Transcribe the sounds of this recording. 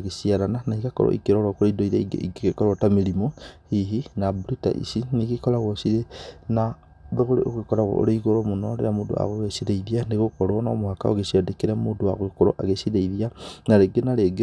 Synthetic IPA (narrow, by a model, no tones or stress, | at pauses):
ɣesiaɾananaiɣakɔ̰ɾo̰ʔḭkeɾoɾakoɾeidoiɾeɡḛḭɡeɣekoɾotameɾimohiɦinabuɾita̰ʔḭsineɣekoɾaɣosiɾena | βeɣoɾeo̰ɣekoɾaɣo̰o̰ɾeiɣoɾomonɔɾeɾamoːdo̰a̰ɣoɣesiɾeiðianeɣokoɾɔnamohaka̰oɣesiadekeɾɛmoːndoa̰ɣwekoɾo̰ʔaɣesiðeiðianaɾeɡenaɾeɡe